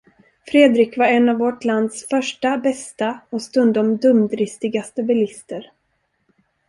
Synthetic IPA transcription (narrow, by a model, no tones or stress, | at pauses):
fɾeːd̪ɾɪkvaɾɛnːavːɔʈland̪sfœʂʈabɛst̪aɔst̪ɵnd̪ɔmd̪ɵmd̪ɾɪst̪ɪɡast̪əbɛlɪst̪əɾ